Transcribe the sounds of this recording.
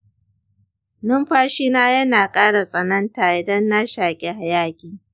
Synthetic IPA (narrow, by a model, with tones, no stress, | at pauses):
nʊ˦mɸaː˦ʃiː˦naː˦jɐ˦naː˨kʼaː˦ɽa˨sʼɐ˨nɐ˦ntaː˨ʔɪ˨dɐ˦nːa˦ʃaː˨kʲʼe˦ha˨jaː˦kʲʼiː˨